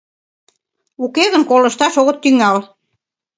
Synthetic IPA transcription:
ukeɣə̆nkolə̆ʃt̪ɑʃoɣət̪ːyŋɑl

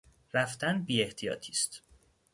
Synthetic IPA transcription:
ræft̪ænbiːe̞ht̪ʰijɒ̰ːt̪ʰiːst̪

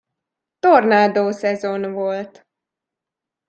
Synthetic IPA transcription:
t̪ornaːd̪oːsɛzo̞nvo̞lt̪

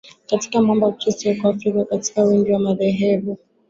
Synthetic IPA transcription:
kati̥kamambat͡ʃisiakwafɾikakati̥kawindiwamaðɛɦɛvu

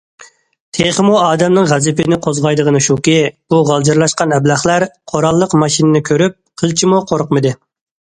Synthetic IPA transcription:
t̪ʰeχəmuɑːd̪ɛmnɨŋʁæzɪpɪnɪqʰozʁɑjd̪əʁənɨʃukʲib̥uʁɑlˠd͡ʒɑɾlˠɑʃqɑnɛblæχlˠæɾqʰoɾɑlˠːəqmɑʃinɪnɪkʲʰøɾyp̚qʰəlˠt͡ʃʰimuqʰoɾqmɨd̪ɨ

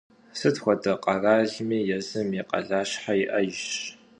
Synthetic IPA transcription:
sɨtxʷɔdɐqʼɐraːɮmiːjɛzɨmjiqɐ̰ɮaːɕħajɪʔɐjɕ

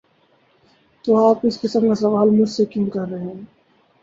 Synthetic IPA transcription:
t̪oːaːpɪskɪsəmkasɐʋaːlmʊd͡ʒsekjũkɐɾːɐɦeɦɛ̃ː

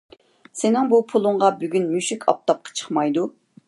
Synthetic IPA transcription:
sɪnɪŋbupʰulˠʊɴʁɑbyɡʲynmyʃikʲʰɑ̰p̚t̪ʰɑp̚qʰɑ̥t͡ʃʰə̥χmɑjd̪u

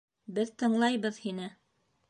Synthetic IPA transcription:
bɘðt̪ɤ̆ɴlˠɑjβɤðhinɘ

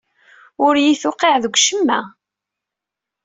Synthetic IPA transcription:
ʊɾjiθʊqeʕðəɡʷʃəmːæ

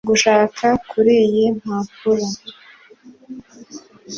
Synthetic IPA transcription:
ɡuʃaːkʰakuɾijim̥haːpuɾa

